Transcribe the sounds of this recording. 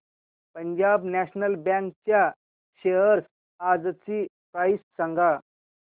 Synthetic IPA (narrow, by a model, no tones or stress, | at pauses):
pəɲd͡ʑabnæɕnəlbɛ̃ŋkt͡ɕja | ɕeɦəɾs | ad͡zt͡sipɾaissaŋɡa